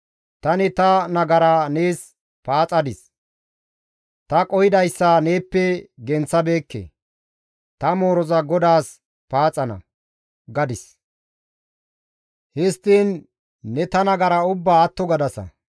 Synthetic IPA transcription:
t̪ɐnɪt̪ɐnɐɡɐɾaneːs | paːt͡sʼɐd̪ɪs | t̪ɐkʼɔjɪd̪ɐjsːɐne̞ːpːɛɡɛnt͡sːɐbe̞ːkːḛ | t̪ɐmo̞ːɾɔzɐɡɔd̪aːs | paːt͡sʼɐnɐ̰ | ɡɐd̪ɪs | hɪst̪ːiːnː | ɛt̪ɐnɐɡɐɾɐʊbːaːɐt̪ːɔɡɐd̪ɐsɐ̰

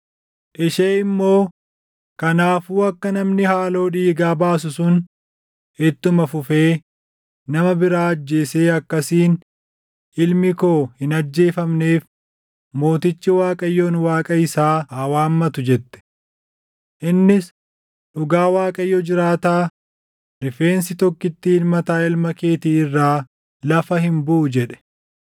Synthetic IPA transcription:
ʔɪʃeːɪmːo̞ː | kɐnaːfuːɐkːɐnɐmnɪhaːlo̞ːᶑiːɡaːbaːs̬ʊsʊn | ɪt̪ːʊmɐfʊfe̞ː | nɐmɐbɪɾaːɐd͡ʒːe̞ːseːɐkːɐsiːn | ʔɪlmɪko̞ːhɪnɐd͡ʒːe̞ːfɐmneːf | mo̞ːt̪ɪt͡ʃːɪwaːkʼɐjːoːnwaːkʼɐɪsaːɐːwaːmːɐt̪ʊd͡ʒɛt̪ːɛ̥ | ʔɪnːɪs | ᶑʊɡaːwaːkʼɐjːɔd͡ʒɪɾaːt̪aː | ɾɪfe̞ːnsɪt̪ɔkːɪt̪ːɪɪlmɐt̪aːɪlmɐke̞ːt̪iːɪrːaː | lɐfɐhɪmbʊʔʊd͡ʒɛᶑɛ̥

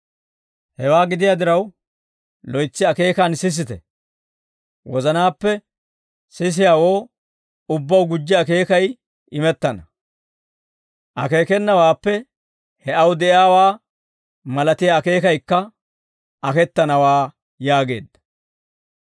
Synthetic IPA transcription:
hɛwaːɡɪd̪ɪjaːd̪ɪɾɐw | lɔjt͡sːɪɐke̞ːkɐnsɪs̬ɪt̪ɛ̰ | wɔzɐnaːpːɛ | sɪs̬ɪjaːwo̞ː | ʊbːɐwɡʊd͡ʒːɪɐke̞ːkɐj | ɪmɛt̪ːɐnɐ | ʔɐke̞ːkɛnːɐwaːpːɛ | hɛɐwd̪ɛʔɪaːwaː | mɐlɐt̪ɪjaːke̞ːkɐjkːɐ | ɐkɛt̪ːɐnɐwaː | jaːɡe̞̰ːd̪ːɐ̥

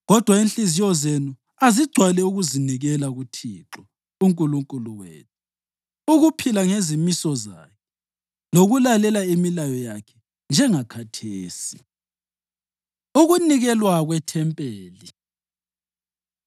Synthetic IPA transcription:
ɣɔd̥ʱwainɬizijɔzenu | aziɡ͡ǀʱwalɛuɣuziniɣɛlaɣutʰiǁɔ | uŋkʼuluŋkʼuluɣwɛ̰ːtʰɛ̥ | uɣupʰilaŋezimisɔza̰ːkʰɛ | loɣulalɛlaimilajɔjakʰɛ̥ | nd͡ʒʱɛŋakʰatʰeːsi | uɣuniɣɛlwaɣwɛtʰɛmpʼeːli

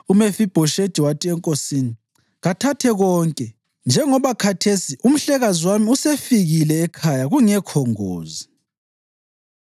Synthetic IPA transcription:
umefib̥ʱɔʃed̥ʒ̥ʱiwatʼiɛŋkʼosini | ɣatʰatʰɛɣɔːŋkʼɛ | nd͡ʒʱɛŋɔβakʰatʰesiʔum̩ɬɛɣazwamiusefiɣilɛːkʰajaɣuŋɛkʰɔŋo̰ːzi

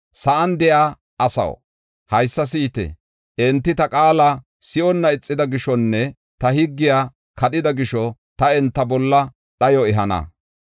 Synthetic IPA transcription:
sɐʔɐnd̪ɛjaː | ɐsɐ̰w | hɐjsːɐs̬iːt̪ɛ̰ | ʔɛnt̪ːɪt̪ɐkʼaːlɐ | sɪʔɔnːɐɪt͡sʼːɪd̪ɐɡɪʃɔnːɛ | t̪ɐhɪɡːɪjaː | kʰɐɗɪd̪ɐɡɪʃɔ | t̪ɐɛnt̪ːɐbɔlːɐ | ɗɐjɔɛɦɐnɐ̰

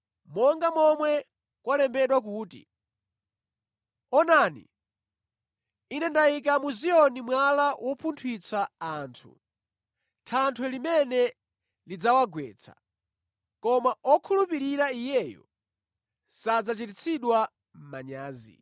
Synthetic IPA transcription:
mɔŋɡamɔmwɛ | kwalɛmbɛɗwak̬uːtḭ | ɔnaːnḭ | inɛndajik̬amuzijɔnimwalawʔɔpʰuntʰwit͡sʰaaːntʰṵ | tʰantʰwɛlimɛnɛ | lid͡zawaɡwɛ̰ːt͡sʰḁ̰ | kɔmaɔkʰulupiɾiɾaijɛjɔ̰ | sad͡zat͡ʃitit͡sʰiɗwa | m̩maɲaːzḭ

